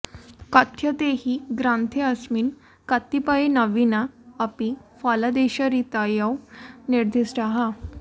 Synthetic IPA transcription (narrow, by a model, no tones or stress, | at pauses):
kət̪ʰjət̪ehiːɡɾãnt̪ʰeəsmiːn | kət̪ːipaenəʋinaːpifalad̪eɕaɾit̪ajawniɾd̪ʱisʈaɦa